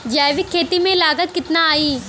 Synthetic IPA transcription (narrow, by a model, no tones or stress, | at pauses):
d͡ʒaːjʋɪkʰːeːt̪imẽlaːɡək̪kːɪt̪naaːiː